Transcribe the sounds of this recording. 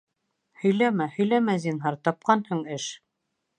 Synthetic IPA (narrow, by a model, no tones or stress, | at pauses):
hɵ̆jlæmæhɵ̆jlæmæzinɦɑɾt̪ɑp̚qɑnhɤɴɘʃ